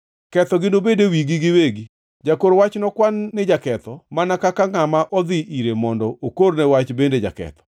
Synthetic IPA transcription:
kɛt̪ɔɡɪnobedewiɡɪɡɪweɡi | d͡ʒakoɾwat͡ʃnɔkwanːɪd͡ʒakɛt̪ɔmanakakaŋamaʔɔd̪ɪʔiɾemɔndɔokoɾnɛwat͡ʃbended͡ʒa̰kɛ̰t̪ɔ̥

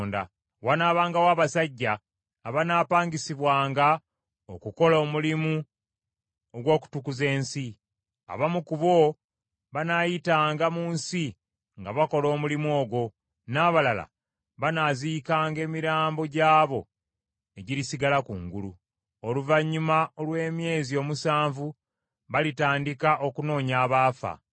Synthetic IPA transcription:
nda̰ | wanaːβaːŋɡawaːβasaɟːaː | βanaːpaːɲɡisiβwaːŋɡa | okuko̞lo̞ːmulimu | oɡwo̞ːku̥tukuze̞ːnsi | a̰βamukuβo̞ | βanajitaːŋɡamuːnsi | ŋɡaβako̞lo̞ːmulimuo̞ːɡwo̞ | naːβalala̰ | βanaziːkaːŋɡe̞ːmiɾaːmbo̞ɟaːβo̞ | e̞ɟiɾisiɡalakuŋɡulṵ | oluvaɲːumaolwe̞ːmje̞ːzio̞ːmusaːɱvu | βalitaːndikaʔo̞kuno̞ːɲaːβaːfa̰

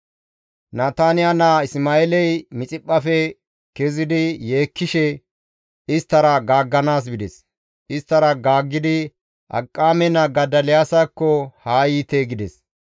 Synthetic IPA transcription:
naːt̪aːnɪjanaːɪsmaːelɛjmɪt͡sʼɪpʼːɐfɛ | kɛzɪd̪ɪjeːkːɪʃɛ | ɪst̪ːɐɾɐɡaːɡːɐnaːs̬bɪd̪ɛs | ɪst̪ːɐɾɐɡaːɡːɪd̪ɪ | ʔɐ̰kʼːaːmɛnɐɡɐd̪ɐlɪjaːsɐkːɔhaːjiːt̪eɡɪd̪ɛs

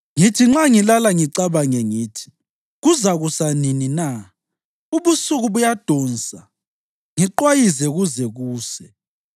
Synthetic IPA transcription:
ŋitʰiŋ͡ǁaŋilalaŋiǀaβaŋɛŋiːtʰi̥ | ɣuzaɣusaninina | uβusuɣuβujad̥ʱɔnsʼa | ŋiǃwajizɛɣuzɛɣuːsɛ

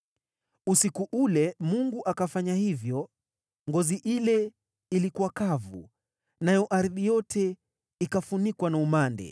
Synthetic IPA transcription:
usikuʔulɛmuŋɡuʔakafaɲahivjɔ | ŋɡɔziʔilɛ | ilikuwakavu | najɔʔaɾðijɔtʰɛ | ikafunikwanaumandɛ̰

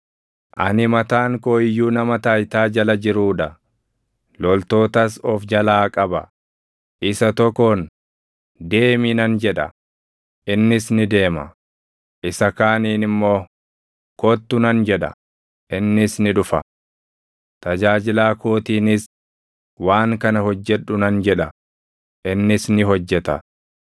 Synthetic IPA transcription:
ʔɐ̰nɪmɐt̪aːŋkoːɪjːuːnɐmɐt̪aːjt̪aːd͡ʒɐlɐd͡ʒɪɾuːᶑɐ | lɔlt̪o̞ːt̪ɐsɔfd͡ʒɐlaːkʼɐbɐ̰ | ʔɪsɐt̪ɔkːon | d̪e̞ːminɐnd͡ʒɛᶑɐ̰ | ʔɪnːɪsnɪd̪e̞ːmɐ̰ | ʔɪsɐkaːniːnɪmːo̞ː | kɔt̪ːʊnɐnd͡ʒɛᶑɐ̰ | ʔɪnːɪsnɪᶑʊfɐ̰ | t̪ɐd͡ʒaːd͡ʒɪlaːkoːt̪iːnɪs | waːŋkɐnɐhɔd͡ʒːɛᶑʊnɐnd͡ʒɛᶑɐ | ʔɪnːɪsnɪɦɔd͡ʒːɛt̪ɐ̰

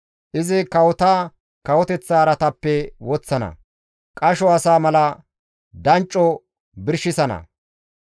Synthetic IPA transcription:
ʔɪzɪkɐwɔt̪aː | kɐwɔt̪ɛt͡sːaːɾɐt̪ɐpːɛwɔt͡sːɐnɐ̰ | kʼɐʃɔɐsaːmɐlɐ | d̪ɐnt͡ʃʼːɔ | bɪɾʃɪsɐnɐ̰

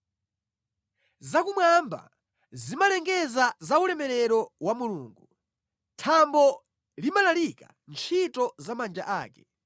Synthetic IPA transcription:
zakumwamba̰ | zimalɛŋɡɛzazaulɛmɛɾɛɾɔwamuluːŋɡu | tʰambɔ | limalalika̰ | nt͡ʃʰitɔzamand͡ʒa̰ʔaːkɛ̥

